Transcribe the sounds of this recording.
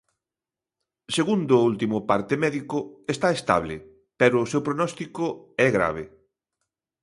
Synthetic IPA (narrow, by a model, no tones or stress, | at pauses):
seɣund̪ʊult̪imʊpaɾt̪ɪmɛðikʊest̪aest̪a̰βlɪ̰ | pɛɾʊːsewpɾonɔst̪ikʊɛɣɾa̰β̞e